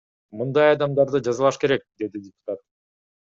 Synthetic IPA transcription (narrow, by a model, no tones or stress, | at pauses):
mɯnd̪ɑjɑd̪ɑmd̪ɑɾd̪ɯd͡ʒɑzɯlˠɑʃke̞ɾe̞k̚d̪e̞d̪idʲɪpʊ̥t̪at̪̚